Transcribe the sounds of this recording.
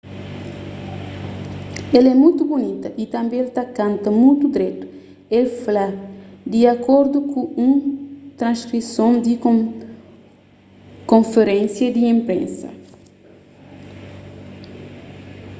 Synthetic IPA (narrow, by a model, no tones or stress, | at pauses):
elɛmujt̪ubunit̪ɐʔit̪ɐ̃mbẽelt̪akãnt̪ɐmujt̪ud̪ɾɛt̪u̥ | elflad̪iakoɾd̪ukuũt̪ɾãnskɾisõnd̪i | kõnfeɾẽnsjɐd̪iẽmpɾḛ̃nsɐ̰